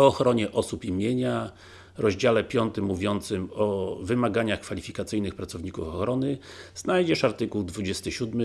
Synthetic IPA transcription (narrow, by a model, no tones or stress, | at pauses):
ɔːxɾɔɲɛʔɔsupimʲjeɲa | ɾɔʑd͡ʑalɛpʲjɔnt̪ɘmːuvʲjɔnt̪sɘmɔvɘmaɡaɲaxkfalʲifʲikat̪sɘjnɘxpɾat̪sɔvɲikufɔxɾɔnɘznajd͡ʑɛʂaɾt̪ɘkuwd̪vud͡ʑɛst̪ɘɕud̪mɘ